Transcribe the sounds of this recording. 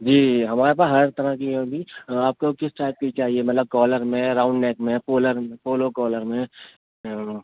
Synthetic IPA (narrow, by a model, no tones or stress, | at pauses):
d͡ʒiːɦɐmaːɾepaːsɦɐɾt̪ɐɾəkij̃bʱiaːp̚kokɪsʈaːɪp̚kekaːɦiemɐt̪ləb̚kɔːləɾmẽɾãːʊ̃ɳɖneːkmẽpoːləɾẽpoːlokɔːləɾmẽ